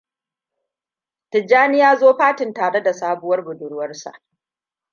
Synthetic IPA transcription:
tɪ˨d͡ʒaː˦nɪ˦jaː˦zoː˦ɸaː˦tɪ˨ntaː˨ɽe˦da˨saː˦bʊ˦wɐ˦rbʊ˨dʊ˨ɽʊ˦wɐ˦rsa̰˨ʔ

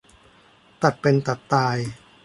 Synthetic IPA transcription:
t̪a˨˩t̪̚pe˧nt̪a˨˩t̪ːaː˧j

